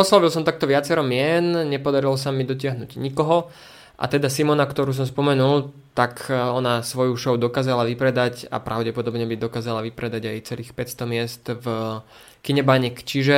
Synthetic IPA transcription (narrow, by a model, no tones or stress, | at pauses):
ɔslaʋilsɔmt̪ak̚t̪ɔʋɪat͡sɛɾɔmɪɛnɲɛpɔd̪aɾilɔsamid̪ɔc̬ɪaɦnṵːɟɲikɔɦɔ | ʔa̰t̪ɛd̪asimɔnakt̪ɔɾuːs̬ɔmspɔmɛnulˠt̪akɔnasʋɔjuʃɔʊd̪ɔkaːzalaʋipɾɛd̪aca̰pɾʔaʊɟɛpɔd̪ɔbɲɛbid̪ɔkaːzalaʋipɾɛd̪aɟajt͡sɛliːxpɛtst̪ɔmɪɛst̪v | kiɲɛbaɲikt͡ʃiʒɛ